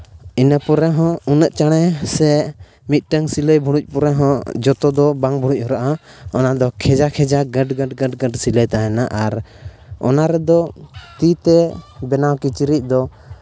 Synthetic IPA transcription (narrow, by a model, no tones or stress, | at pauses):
inəpɔɾɛɦɔ̃unəʔ̚t͡ʃaɽ̃ɛsɛ | mit̪̚ˀʈəŋsiləjbʱuɽuc̚ˀpɔɾɛɦɔ̃d͡ʒɔt̪ɔd̪ɔbaŋbʱuɽ̃uc̚ˀhɔɾaʔaɔnad̪ɔkʰɛd͡ʒakʰɛd͡ʒaɡəɖɡəɖɡəɖɡəɖsiləjt̪aɦɛnaʔaɾ | ɔ̰naɾɛd̪ɔt̪it̪ɛbɛnawkit͡ʃiɾic̚d̪ɔ